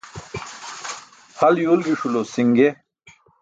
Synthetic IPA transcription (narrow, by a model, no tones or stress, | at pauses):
hʰɐljoːlɡiʂulosiŋɡe